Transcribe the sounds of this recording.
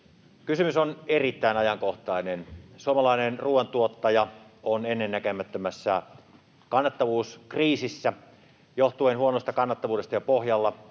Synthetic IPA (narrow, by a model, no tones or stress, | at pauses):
kysymysonerit̪ːæˑinɑjɑŋkoht̪ɑˑinensuomɑlɑˑinenruːwˑent̪uot̪ːɑjɑonenːenːækømæt̪ːømæsːæ̰ | kɑnːɑt̪ːɑʋuːskriːsisːæ | joht̪uenhuonost̪ɑkɑnːɑt̪ːɑʋuːdest̪ɑjɑpohjɑlːɑ